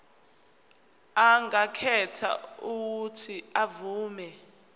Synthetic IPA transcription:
aŋakʰɛtʰa̰uk̬utʰiavuːmɛ

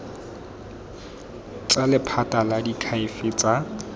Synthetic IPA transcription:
t͡sʼalɪpʰatʼaladikʰaɪfɪt͡sʼa

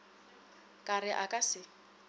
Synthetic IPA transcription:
kʼarɪʔakʼasɪ

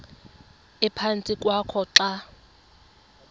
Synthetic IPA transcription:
ɛpʰant͡sʼikʼwakʰɔǁa

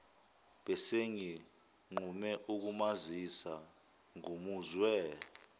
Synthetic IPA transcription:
ɓɛseŋi | ŋ͡ǃumɛʔuk̬umazisa | ŋumuzwɛ

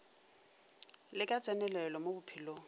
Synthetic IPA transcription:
lɪkʼat͡sʼɛnɛlɛlɔmobʊpʰilo

